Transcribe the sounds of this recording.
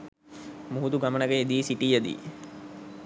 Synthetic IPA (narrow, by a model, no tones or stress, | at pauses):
muɦut̪uɡamənəɡəed̪iːsiʈijəd̪ḭː